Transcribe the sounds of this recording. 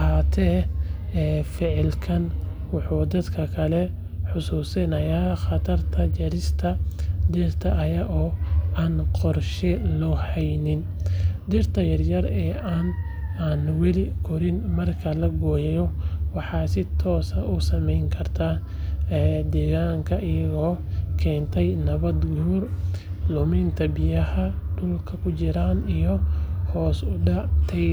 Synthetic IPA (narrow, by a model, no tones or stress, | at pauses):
haːt̪ʰɛːɛːfɪʕɪlkʰɐn | wɑħuːd̪ɐd̪kʰɐkʰɐlɛ | ħʊsuːsɪnɐjaːχɑt̪ʰɐrt̪ʰɐd͡ʒɐɾɪst̪ʰɐd̪ɛrt̪ʰɐʔːjɐʔɔːaːnqɔrʃɛlɔhɛjnɪn | d̪ɪrt̪ʰɐjɐrjɐrɛːʔaːn | aːnwɛlɪkʰɔɾɪnmɐrkʰɐlɐɡɔːjɛjɔwɑħɑːsɪt̪ʰɔːsɐʔʊsɐmɛjŋkʰɐrt̪ʰaː | d̪ɛːɣaːŋkʰɐʔɪjɐɣɔːkʰɛːnt̪ʰɛjnɐβɐd̪ɡuːrlʊmɪnt̪ʰɐbɪjɐhɐɖʊlkʰɐkʰʊt͡ʃɪɾaːnijɔhɔːsʊɖɑʕt̪ʰɛ